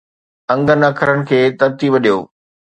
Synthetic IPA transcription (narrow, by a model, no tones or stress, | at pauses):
ɐ̃ŋɡənɐkʰəɾəɽ̃ɪ̆kʰeːt̪ɐɾ̚t̪iːbɐɗijoː